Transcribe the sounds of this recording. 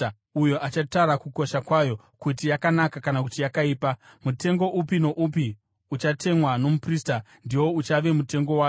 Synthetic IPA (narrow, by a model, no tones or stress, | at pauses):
ujo̞ʔat͡ʃataɾakuko̞ʃakwajo̞ | kutijakanakakanakutijakaiːpamute̞ŋɡo̞ʔupino̞ʔup̬i | ut͡ʃate̞mwano̞mupriːsta | ndiwo̞ut͡ʃaʋe̞mute̞ŋɡo̞waː